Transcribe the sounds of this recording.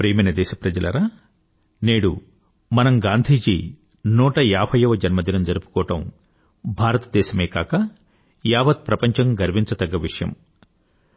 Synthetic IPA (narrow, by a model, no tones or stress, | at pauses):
pɾeːmɐnɐd̪ɛːʃɐpɾɐd͡ʒɐlɐɾaː | neːɽṵ | mɐnɐmɡaːnd̪ʱiːd͡ʒḭː | nuːʈɐjaːbʰʱɐjɐʋɐd͡ʒɐnmɐd̪ilɐmd͡ʒɐɾupu̥kɔːɐʈɐm | bʱaːɾɐt̪ɐd̪ɛːʃɐmeːkaːkɐ | jaːʋɐt̪̚pɾɐpɐɲt͡ʃɐŋɡɐɾʋiɲt͡ʃɐt̪ɐɡːɐʋiʂɐjɐ̰m